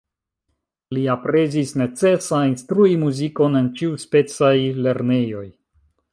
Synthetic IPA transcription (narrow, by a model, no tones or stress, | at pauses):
liapɾe̞zisne̞t͡se̞sainstɾuimuziko̞ne̞nt͡ʃiuspe̞t͡sajle̞ɾne̞jo̞j